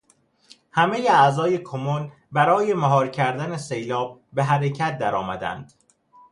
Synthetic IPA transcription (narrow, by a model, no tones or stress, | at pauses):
hæme̞jeæzɒːje̞kʰomon | bæɾɒːje̞mæɦɒːɾcʰæɾd̪ænesejlɒːb̚be̞ɦæɾecʰæt̪̚d̪æɾɒːmæd̪æ̰nd̪̥